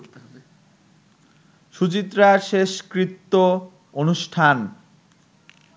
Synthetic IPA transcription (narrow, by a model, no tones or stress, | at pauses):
ʃut͡ɕit̪ːɾaɾʃeʃkɾit̪ːo | onuʃʈʰan